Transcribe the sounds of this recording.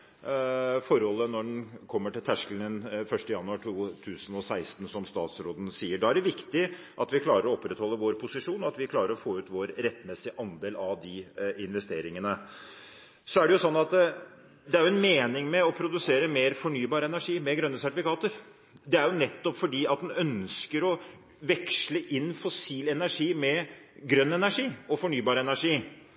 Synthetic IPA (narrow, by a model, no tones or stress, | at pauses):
fɔɾhɔlːənɔɖɛnkʰɔmːəʈɪlt̪ʰæʂkəlnənfœʂʈəjɑnʉɑʈʰuːt̪ʰʉːsnɔsæɪst̪n̩sɔmst̪ɑ̰ːt̪sɾoːd̪n̩siːəɖɑːæɖɛʋɪkt̪ɪ | ʔɑt̪ʋɪkʰlɑːɾəɾɔɔpːɾɛt̪hɔlːəʋoːɾpʰʊsɪʂuːnɔɑt̪ʋɪkʰlɑːɾəɾɔfoːʉːt̪ʋoːɾɾɛt̪ːmɛsɪʔɑnd̪eːlɑʋd̪ɪɪnʋɛst̪eːɾɪŋənə | sɔæɖɛjʊsɔnːɑt̪ | d̪ɛæɾjʊɛnmeːnɪŋmɛɔpʰɾʊd̪ʉseːɾəmeːɾfɔɳyːbɑːɾəɛnæʂiːmɛɡɾœnːəsæʈɪfɪkʰɑːt̪əɾ | d̪ɛæɾjʊnɛt̪ːɔpfɔɖiːɑt̪̚d̪ɛnœnskəɾɔ | ʋɛkʂləʔɪnːfɔsiːlɛnæʂiːmɛɡɾœnːɛnæʂiːɔfɔɳyːbɑːɾəɛnæʂiː